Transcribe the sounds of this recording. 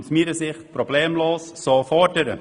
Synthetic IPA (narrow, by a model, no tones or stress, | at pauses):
smiːɾəsɪχt̚probleːmloːssoːfɔdəɾə